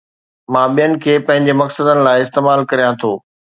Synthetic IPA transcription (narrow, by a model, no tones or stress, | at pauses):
mãːɓijənɪ̆kʰeːpɐ̃ɦɪ̃ɲd͡ʑemɐksəd̪ənɪ̆laːɪɪst̪eːmaːlkɐɾijãt̪ʰoː